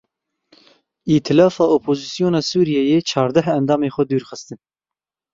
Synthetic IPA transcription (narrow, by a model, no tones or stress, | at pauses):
it̪ʰɨlɑːfɑːoːpʰoːzisijoːnɑːsuːɾijɛjeːt͡ʃʰɑːɾd̪ɛɦɛnd̪ɑːmeːxʷɛd̪uːɾxɨst̪ɨn